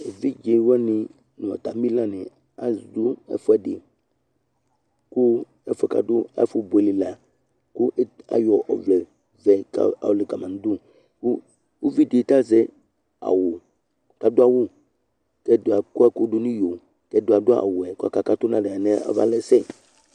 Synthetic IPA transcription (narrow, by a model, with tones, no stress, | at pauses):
e˨vi˦d͡ʒe˨wɔ˦nĩ˨ | n˨ɔ̰˨t̪a˨mĩ˦lã˦nɛ̃˨ | a˨du˦ɛ̰˦fo˦ɛ˦˨dḛ˨ | ku˦ | ɛ˦fɛ˨ka̰˨dʊ˦a̰˦fu˦bo˨e˨li˨la˨ | ku˦ʔa̰˨jɔ˨ʔɔ̰˨vlɛ˨ | zɛ˨ka̰˨a̰˨wle˨ka˨mã˨n˨˦d̪u˦ | ku˦ | wo˦vi˦de˨˦t̪a˦zɛ˦ | a̰˨wo˨ | ka˨d̪o˦a˨wu˦ | kɛ˦d̪o˨a˨ku˦a˦ku˦ɖu˦nũ˦jo˨ | kɛ˦do˨a˨dʊ˦a̰˨wo˨ɛ˨ku˦a̰˨ka˨ka˦t̪o˦nã˦ɖe˨a˨nẽ˦a̰˦va̰˦lɛ˦sɛ˦